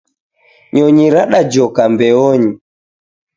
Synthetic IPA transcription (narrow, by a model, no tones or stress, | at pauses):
ɲɔɲiɾaɗad͡ʒɔkambɛɔɲi